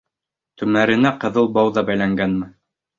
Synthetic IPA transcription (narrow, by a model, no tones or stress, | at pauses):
t̪ɵ̆mæɾɘ̆næqɤ̆ðɤlˠbɑwðɑbæjlæŋɡænmɘ